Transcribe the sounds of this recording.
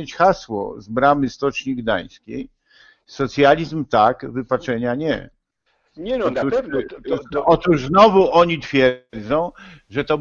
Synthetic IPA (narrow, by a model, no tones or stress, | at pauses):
et͡ɕxaswɔ̰zbɾamɘst̪ɔt͡ʂɲiɡd̪a̰j̃skʲḛj | sɔt̪sʲjalʲizmt̪akvɘpat͡ʂɛɲaɲɛ̰ | t̪u | ɔt̪uʐznɔvuʔɔɲit̪fʲjɛɾd̪zɔ̃w̃ | ʐɛt̪ɔ